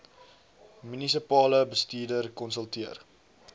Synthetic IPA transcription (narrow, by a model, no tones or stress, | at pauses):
mynis̬ipɑːləbəstiːdərkɔnsəlˠtiər